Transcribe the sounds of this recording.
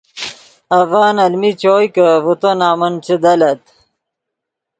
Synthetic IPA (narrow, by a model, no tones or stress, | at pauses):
ɐvaːnɐlmit͡ɕoːjkɐvut̪onaːmɐnt͡ɕed̪ɐlɐt̪